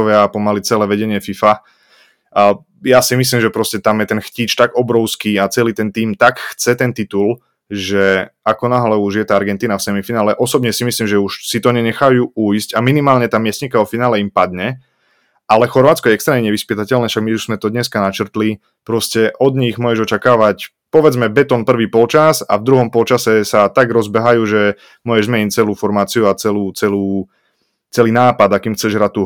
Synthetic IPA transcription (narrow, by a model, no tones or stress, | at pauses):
ɔʋɛapɔmalit͡sɛlɛːʋɛɟɛɲɪɛfifa | jasimis̬liːmʒɛpɾɔscɛt̪amjɛt̪ɛnxciːt͡ʃt̪aɡɔbɾɔʊskiːat͡sɛliːt̪ɛnt̪iːmt̪akxt͡sɛt̪ɛnt̪it̪ul | ʒɛakɔnaɦlɛuʒjɛt̪aːaɾɡɛnt̪iːnafsɛmifinaːlɛʔɔsɔbɲɛsimisliːmʒɛuʃsit̪ɔɲɛɲɛxajuːujscaminimaːlɲɛt̪aːmɪɛsɲikaɔfinaːlɛimpad̪ɲɛ | ʔalɛxɔɾʋaːt̪t͡skɔjɛɛkst̪ɾɛːmɲɛɲɛʋispit̪acɛlnɛːfʃaɡmiuʒzmɛt̪ɔd̪ɲɛskanat͡ʃrt̪li | pɾɔscɛʔɔd̪ɲiɣmʊɔjɛʒɔt͡ʃakaːʋac | pɔʋɛd͡zmɛbɛt̪ɔnpr̩ʋiːpɔlt͡ʃasa̰vd̪ɾuɦɔmpɔlt͡ʃasɛsat̪aɡɾɔzbɛɦajuːʒɛ | mʊɔjɛʒmɛɛɲt͡sɛluːfɔɾmaːt͡siuat͡sɛluːt͡sɛluː | t͡sɛliːnaːpad̪akiːmxt͡sɛʒɦɾat̪u